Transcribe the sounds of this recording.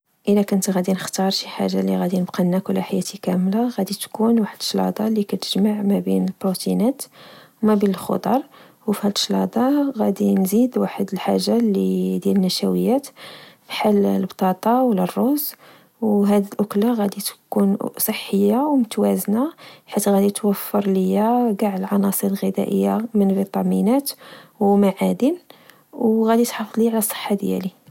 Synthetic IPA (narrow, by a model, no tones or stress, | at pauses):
ʔəlækʊnt̪ɣæd̪inəxt̪ɑɾˤʃiħa̰ʒːaliɣæd̪inəbqɑnːækʊlːæħajæt̪ikæmlaɣæd̪it̪kunwaħəd̪əʃlɑ̰d̪ˤɑlikæt̪ə̥ʒmaʕmæbinəlbɾut̪inæt̪wmæbinəlxo̰d̪ˤɑɾˤ | wfihæd̪əʃlɑ̰d̪ˤɑɣæd̪inzid̪waħəd̪əlħaʒːalid̪jælənːæʃæwəjːæt̪fħallbt̪ˤɑt̪ˤɑwlərˤːoz | wɦæd̪ilʔʊklaɣæd̪it̪kunsˤəħːəjːawmʊt̪wæznaħit̪ɣæd̪it̪wəfːəɾˤləjæɡaʕəlʕɑnɑsˤəɾəlɣəd̪æ̰ʔəjːamənvit̪ˤɑminæt̪wmaʕad̪in | wɣæd̪it̪ħɑfd̪ˤliʕlæsˤːə̥ħːad̪jæ̰li